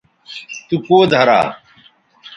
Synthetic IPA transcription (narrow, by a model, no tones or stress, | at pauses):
t̪ukoːd̪ʱəɾa̰ː